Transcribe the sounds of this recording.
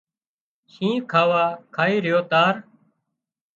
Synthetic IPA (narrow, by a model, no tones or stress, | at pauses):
ʃĩːkʰaːʋaːkʰaːiːɾɪjoːt̪aːɾ